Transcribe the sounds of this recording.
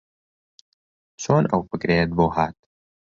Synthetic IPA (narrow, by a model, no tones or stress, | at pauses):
t͡sʰoːnɐ̰wfəkɾeːt̪̚boːɦaːt̪̚